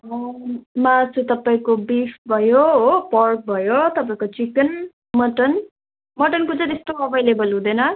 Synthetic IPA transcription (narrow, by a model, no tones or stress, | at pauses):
ʌmat͡sut̪ʌpaĩkobipʰbʱʌjoɦopʌrk̚bʱʌjot̪ʌpaĩkot͡sikʌn | mʌʈʌn | mʌʈʌnkot͡sʌ̃t̪est̪oʌbajlebʌlɦũd̪ʌjnʌ